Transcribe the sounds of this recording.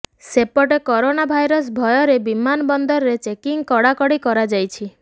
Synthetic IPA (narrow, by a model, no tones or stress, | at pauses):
sepɔʈekɔɾonabʱajɾɔs̬bʱɔjɔɾebimanɔbɔnd̪ɔɾɔɾet͡ʃekiŋkɔɽakɔɽikɔɾad͡ʒajt͡ʃʰi